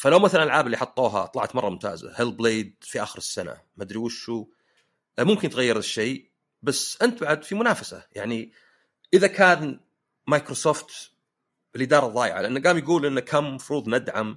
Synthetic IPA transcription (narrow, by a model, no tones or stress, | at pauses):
falawmaθalanʔalʕaːblːiħɑt̪ˤːuːɦa̰t̪ˤlɑʕt̪mɑrˤːɑmʊmt̪a̰ːza̰hɪlbleːd̪fiʔaːxɪɾɪsːana̰ | mad̪ɾiːʃʃuː | mʊmkɪnt̪ɣajːɪɾɪʃːeː | basʔɪnt̪̚baʕad̪fimʊnaːfasa̰jaʕni | ʔɪðakʰaːn | majkɾosoːft̪ | bɪlʔɪd̪ɑːɾˤɑðˤɑːjɪ̰ʕa̰lʔanːaɡaːmjɡuːlʔɪnːakʰamːafɾuːðˤnad̪ʕam